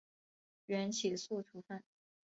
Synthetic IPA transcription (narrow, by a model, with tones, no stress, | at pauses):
ɥɛ˧˥nt͡ɕʰi˨˩su˥˩ʈ͡ʂʰu˧˥fa˥˩n